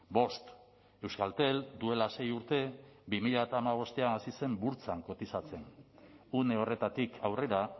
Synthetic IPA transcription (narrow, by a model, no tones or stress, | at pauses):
bo̞st̪ | e̞wskalt̪e̞ld̪ue̞lase̞juɾt̪e̞bimiʎaat̪aːmaβ̞o̞st̪e̞anasise̞mbuɾt͡saŋko̞t̪isat͡se̞nune̞o̞re̞t̪at̪ikʰawre̞ɾa